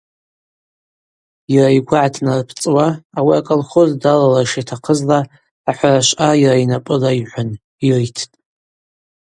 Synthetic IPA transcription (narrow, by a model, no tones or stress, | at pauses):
jaraiɡʷaʕatʰnarpʰt͡sʼwaːwiakʼalχozdalalaʂitʰaqʰəzlaː | ħʷaraʃʷʼʔajiɾainapʼɨlaiħʷan | irejtʰtʼ